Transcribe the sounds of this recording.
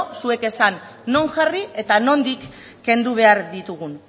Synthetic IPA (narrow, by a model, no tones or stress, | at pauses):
sue̞ke̞sanː | o̞ŋʝarie̞t̪ano̞nd̪ikː | e̞nd̪uβ̞e̞aɾðit̪uɣ̞un